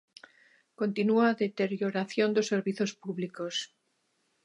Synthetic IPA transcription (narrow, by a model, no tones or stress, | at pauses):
kont̪inuaðet̪eɾjoɾaθjond̪osːeɾβiθospuβlikos